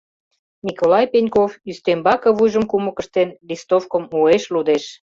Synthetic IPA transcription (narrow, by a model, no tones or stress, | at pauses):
nʲikolɑjpenʲkofyst̪embɑkɤ̆βujʒə̆mkumə̆kə̆ʃt̪enlist̪ofkə̆mueʃlud̪eʃ